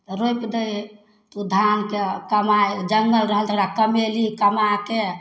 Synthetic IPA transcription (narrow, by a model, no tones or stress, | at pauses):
t̪ɔɾojpd̪əj | t̪ud̪ʱankekəmajd͡ʒəŋɡəlɾəɦəlt̪əɽakəmelikəmake